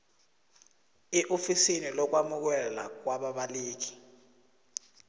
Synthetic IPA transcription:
iʔofisinilɔk̬wamuk̬ɛla̰k̬waɓaɓaliːk̬i̥

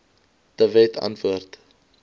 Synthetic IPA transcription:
d̥əvɛtʰɐ̰ntvuərt

